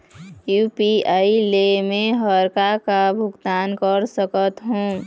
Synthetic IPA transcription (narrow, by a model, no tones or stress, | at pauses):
jupiailemẽɦəɾkakabʱʊɡt̪aːnkəɾsəkət̪ɦũː